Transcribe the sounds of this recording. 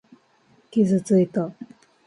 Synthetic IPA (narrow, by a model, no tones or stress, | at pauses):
kʲizɨt͡sɨit̪o